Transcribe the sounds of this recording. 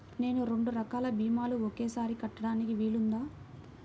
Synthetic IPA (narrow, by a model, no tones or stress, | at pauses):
ne̞ːnuɾe̞ɳɖuɾɐkaːlɐbiːmaːluokeːsaːɾikɐʈːɐɽaːnikiʋiːlund̪aː